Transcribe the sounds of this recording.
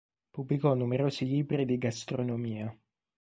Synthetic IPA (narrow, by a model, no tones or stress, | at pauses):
pubːlikɔnːumeɾoːsiliːbɾid̪iɡast̪ɾonomiːa